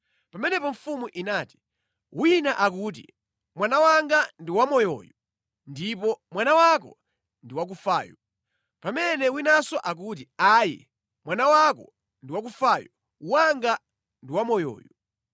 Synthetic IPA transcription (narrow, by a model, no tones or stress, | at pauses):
pamɛnɛpɔɱfumuʔinaːti̥ | winaʔak̬uːt̬ḭ | mwanawaŋɡandiwamɔjɔ̰ju | ndipɔmwanawakɔ̰ | ndiwak̬ufa̰ːjɔ | pamɛnɛwinasɔʔak̬ut̬iaːjḭ | mwanawakɔ̰ | ndiwak̬ufaːjɔ | uwaŋɡa | ndiwamɔjɔ̰ːju